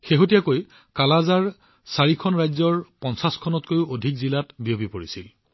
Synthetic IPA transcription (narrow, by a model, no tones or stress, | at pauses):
xeɦotijakoj | kalazaɹ | saɹikʰɔnɹajzɔɹpɔnsaskʰɔnɔtkojodʱikzilatbiobipoɹisil